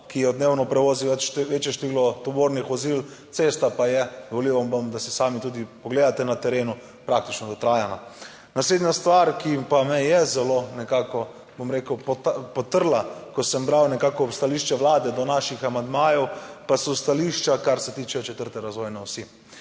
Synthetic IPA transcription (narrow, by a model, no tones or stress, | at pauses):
kijɛɔd̪neːwnɔpɾɛʋoːziʋɛt͡ʃʋeːt͡ʃjɛʃt̪eʋilɔt̪ɔboːɾnixʋɔzilt̪sest̪apajɛd̪ɔʋoliwʋambəmd̪asɛsaːmit̪uːd̪ipɔɡleːd̪at̪ɛnat̪ɛɾeːnu | pɾak̚t̪it͡ʃnɔd̪ɔt̪ɾaːjana | nasleːd̪nast̪ʋaɾkipamɛjɛzɛlonɛkakɔ | bomɾeːkəwppɔt̪əɾlakɔsəmbɾawnɛkaːkɔst̪aliːʃt͡ʃɛʋlaːd̪ɛd̪ɔnaʃixamand̪maːjɛwpasɔst̪aliːʃt͡ʃakaɾsɛt̪iːt͡ʃɛt͡ʃɛt̪əɾt̪ɛɾazʋɔːjnɛwsi